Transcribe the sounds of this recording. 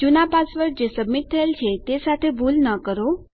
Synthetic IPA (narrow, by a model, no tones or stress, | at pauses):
d͡ʑunapasʋəɾd͡ʑesəmːit̪̚t̪ʰəelt͡ɕʰet̪esat̪ʰebʱulnəkəɾo